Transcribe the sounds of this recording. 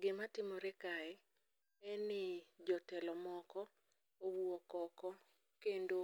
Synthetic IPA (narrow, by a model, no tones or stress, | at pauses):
ɡɪmatɪmɔɾɛkaɛ | ɛnɪd͡ʒɔtɛlɔmɔkɔ | owuɔkɔkɔ | kendo